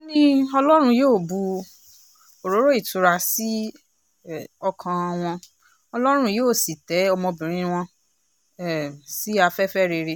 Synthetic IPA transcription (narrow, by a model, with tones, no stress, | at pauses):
o˦nĩ˦ɔ˧lɔ˦ɾ̃ũ˧joː˦˨bu˧ | o˨ɾo˨˦ɾo˦i˦˨tu˨ɾa˧si˦˨ | ɔ˧kʰã˧a˧w̃ɔ̃˧ | ɔ˧lɔ˦ɾ̃ũ˦joː˦˨si˨tɛ˨˦ɔ˧mɔ̃˧bĩ˨ɾ̃ĩ˧˦˧w̃ɔ̃˧˨ | si˦a˧fɛ˦fɛ˦˨ɾe˧ɾe˧